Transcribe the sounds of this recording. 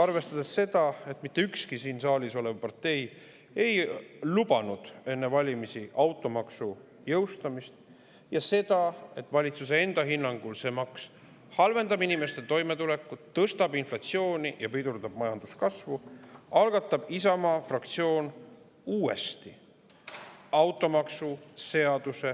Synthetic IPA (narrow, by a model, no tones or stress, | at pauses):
ɑrve̞st̪ɑd̪̥esːe̞d̪̥ɑe̞t̪mit̪ːe̞ykskisiːnsɑːliso̞levpɑrt̪e̞j | e̞jlubɑnud̪̥e̞nːevɑlʲimisiʔɑwt̪ːˑo̞mɑksu | jɤwst̪ɑmist̪ | jɑse̞d̪̥ɑe̞t̪ːˑvɑlʲit̪suse̞e̞nd̪̥ɑɦinːɑŋɡ̥ulse̞mɑks | hɑlve̞nd̪ɑbinime̞st̪e̞t̪o̞jmet̪ulekːˑut̪ːɤst̪ɑbinflɑt̪sio̞ːnijɑpid̪urd̪ɑb̥̚mɑjɑnd̪̥uskɑsvuɑlɡ̥ɑt̪ːˑɑb̥isɑmɑːfrɑk̚t̪sio̞ːn | uːe̞̰st̪i | ɑwt̪ːˑo̞mɑksuse̞ɑd̪̥use̞